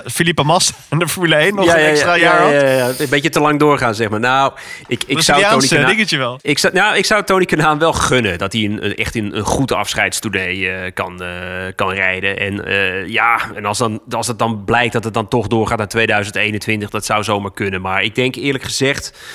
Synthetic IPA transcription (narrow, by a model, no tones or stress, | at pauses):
filipamɔs | ndəfmyləejnjajaaajaajabejətəlɑŋdʊːrχaːnzɛxmaːɹnaw | ɪkɪsawtːoːnidɪŋətəʋɛlˠɪksnaɪksawtoːnikənaːnʋɛlˠχønədɔtiənə̰ɛ̰xtənənχutɑ̰fsχɛjtstuɹnejəkɑnkɑnrɛjdəʔɛ̰nəjaɛn̰lˠsdɔnɑlˠsdət̚dɔnblɛjk̚dɔtət̚dɔntɔxdʊːrχaːtnaːtʋejdœɥzəntejnəntʋɪntəxdɔtsawzowmaɹkønəmaɹɪɡ̚dɛŋkɪːrləkχəzɛxt